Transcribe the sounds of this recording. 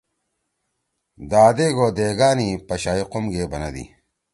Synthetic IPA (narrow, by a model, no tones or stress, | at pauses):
d̪aːd̪eɡoːd̪eːɡaːnipɐɕaːiqomɡeːbɐnɐd̪ḭ